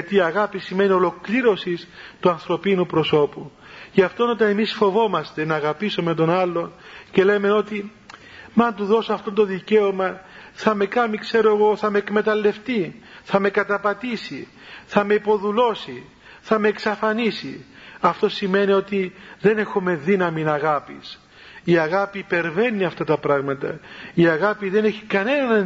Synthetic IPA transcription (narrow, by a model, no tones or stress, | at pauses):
ɐt̪iːɐɣɐpisime̞nio̞lo̞kliɾo̞sist̪uɐnθɾo̞pinupɾo̞so̞pu | jɐft̪o̞no̞t̪ɐne̞misfo̞vo̞mɐst̪e̞nɐːɣɐpisome̞t̪o̞nɐlːo̞nce̞leme̞no̞t̪i | mɐnt̪uðo̞soɐft̪o̞nt̪oðice̞omɐθɐme̞kɐmikse̞ɾoeɣo̞θɐme̞ekme̞t̪ɐlːe̞ft̪iθɐmekɐt̪ɐpɐt̪isi | θɐme̞ipo̞ðulo̞si | θɐme̞ːksɐfɐnisiɐft̪o̞sime̞nio̞t̪iðe̞ne̞xume̞ðinɐminɐɣɐpḭs | iɐɣapipe̞ɾve̞nːiɐft̪ɐt̪ɐpɾɐɣmɐt̪ɐ̰iɐɣɐpiðe̞ne̞çi̥kɐne̞nɐnɐ